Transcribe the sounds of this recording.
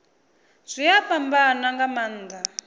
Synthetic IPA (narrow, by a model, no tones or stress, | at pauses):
z̥ʷijapambanaŋɡaman̩ːda